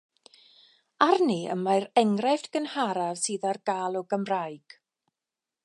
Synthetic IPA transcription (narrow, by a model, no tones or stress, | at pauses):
arniə̰majɾɛŋrɛvdɡ̥ənhaɾavsɨːðarɡaːlˠɔɡəmrajɡ̥